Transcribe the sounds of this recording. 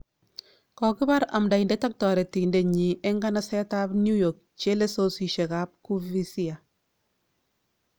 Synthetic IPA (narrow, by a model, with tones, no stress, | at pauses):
kɔ˨ki˦ba˦ɾa˨mda˨i˨nde˦ta˦k̚tɔ˨ɾe˨ti˨nde˨ɲi˨e˦ŋɡa˦na˦sɛ˦ta˦bnju˦jɔ˨k̚t͡ʃe˦le˦so˦si˨ʃe˨ka˦p̚ku˦vi˦sia˨